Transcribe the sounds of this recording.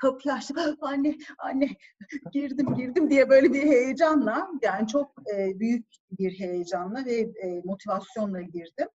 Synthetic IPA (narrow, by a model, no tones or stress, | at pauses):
kʰapʰɯlˠaʃt̪ɯmhanːɛhanʲːɛɟ̥iɾd̪imɟiɾd̪imd̪ijɛbø̞jlʲebiɾhe̞jed͡ʒanlˠajaːnit͡ʃʰo̞k̚ɯːbyjyc̚ | biɾɦe̞jed͡ʒanlˠavɛmo̞t̪ʰivasjo̞nlˠaɟiɾd̪ɪm